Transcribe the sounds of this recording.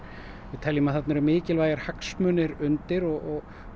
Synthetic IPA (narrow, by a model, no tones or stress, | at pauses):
vɪðt̪ʰɛljimaθat̪nɛɾʏmɪːcɪlvaːjaɾ̥haksmœːnɪɾʏnt̪ɪɾɔɣɔɣ